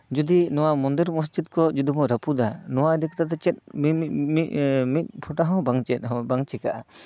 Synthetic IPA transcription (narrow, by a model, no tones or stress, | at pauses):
d͡ʒud̪inɔwamɔnd̪iɾmɔs̬d͡ʒid̪̚kʰɔd͡ʒud̪umɔɾəpud̪anɔwaɛd̪ikt̪ad̪at͡ʃɛt̪̚mimit̪̚pʰɔʈaɦɔ̃wbaŋt͡ʃɛbaŋt͡ʃɛkaʔa